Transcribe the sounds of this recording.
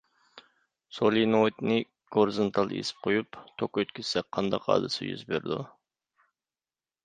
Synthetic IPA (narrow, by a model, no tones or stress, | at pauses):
solˠinot̪nɨ | ɡ̥oɾzont̪ʰɑlˠjḛsɪ̥p̚qʰojupt̪ʰokøt̪kʲʰyz̥sɛk̚ʲqʰɑnd̪ɑqɑ̰ːd̪ɨsɨ̰jy̰zbeɾd̪u